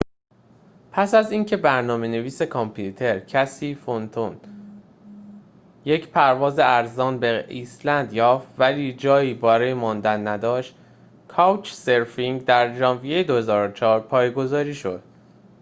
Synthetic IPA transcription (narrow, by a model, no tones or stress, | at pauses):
pʰæsæziːŋcʰe̞bæɾnɒːme̞ne̞viːse̞kʰɒmpʰjuːt̪ʰe̞ɾcʰæsiːfont̪ʰon | je̞cʰpʰæɾvɒːzeæɾzɒːnbeiːslænd̪jɒːft̪væliːd͡ʒɒːjiːbɒːɾɒːjemɒːnd̪ænːæd̪ɒːʃt̪ | kʰɒwt͡ʃse̞ɾfiŋd̪æɾd͡ʒɒːnvijejed̪ohe̞zɒːɾot͡ʃʰɒːɾpʰɒːjeɡo̞zɒːɾiːʃo̞̰d̪̥̚